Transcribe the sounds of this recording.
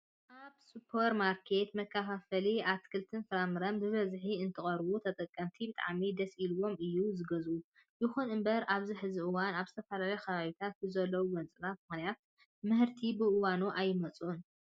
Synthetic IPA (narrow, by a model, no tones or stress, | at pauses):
ʔaβsupʰoɾmaɾkʰe̞t̪mɐkːafafɐliat̪kʰɨlt̪ʰɨnfɨɾamɨɾɐmbɨβɐzħiɨnt̪ʰɨχʼɐɾbut̪ʰɐt̪ʼɐkʼːɐmt̪ʰibɨt̪ʼa̰ʕmid̪ɐsʔiluwo̞mɨjːuzɨɡɐzʔu | jɪxunɨmbɐɾʔaβziħɨziʔɨwanaβzɨt̪ʰɐfalalɐjkʰɐβaβit̪ʰat̪̚bɨzɐlːɐwuwɐnt͡sʼɨnat̪̚mɨxnijat̪ | mɨhɨɾt̪ʰibɨʔɨwanuʔajːɪmɐt͡sʼʔun